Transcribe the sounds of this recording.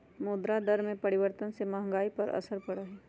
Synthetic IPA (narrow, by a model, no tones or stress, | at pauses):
moːd̪ɾad̪ɐɾmẽpɐɾɪʋəɾt̪ənsemɐɦə̃ŋɡaːipɐɾɐ̰səɾpɐɽaɦɛː